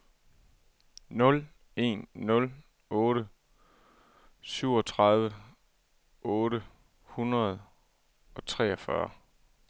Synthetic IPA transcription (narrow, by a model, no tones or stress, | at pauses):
nɔ̽l | e̝̰ːnːɔ̽l | ɔ̽ːɾə | syʊ̰ɒt͡sʰʁɑ̈ðˠʋə | ʔɔ̽ːɾə | hunʁɐð̞ˠ | ɒ̽t͡sʰʁɛ̰ːɒfɶɐ